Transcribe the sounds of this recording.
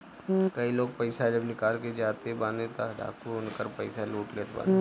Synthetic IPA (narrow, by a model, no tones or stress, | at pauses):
kɐiloːɡ̚pəɪsad͡ʒɐbnɪkaːlked͡ʒaːt̪ebãːnet̪a̰ɖa̰ːkuʊnkəɾpəɪsaluːʈleːt̪ba̰ː